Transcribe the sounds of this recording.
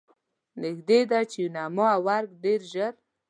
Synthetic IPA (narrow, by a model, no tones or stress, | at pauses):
nɪxd̪ed̪at͡ʃejunamoawaɾɡɖeɾʒəɾ